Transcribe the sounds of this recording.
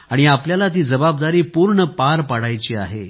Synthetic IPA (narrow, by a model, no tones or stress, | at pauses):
aɽ̃iapljalat̪̬iːd͡zəbab̚d̪aɾiːpuɾɳəpaɾpaɽajt͡ɕiːa̰ɦe